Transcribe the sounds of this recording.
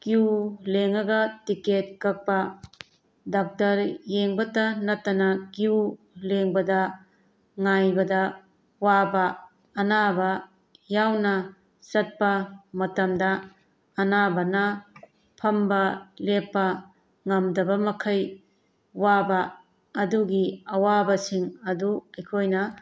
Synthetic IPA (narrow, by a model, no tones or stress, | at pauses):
kiuleŋɐɡɐtiket̚kɐk̚pɐ | dak̚tɐɾjeŋbɐtɐnɐtːɐnɐkiu | leŋbɐdɐ | ŋajbɐdɐ | wabɐː | nabɐ | jawnɐ | sɐt̚pɐmɐtɐmdɐː | nabɐnɐ | pʰɐmbɐlepːɐ | ŋɐmdɐbɐmɐkʰɐj | wabɐ | ɐduɡiɐwabɐsiŋɐduɐjkʰojnɐ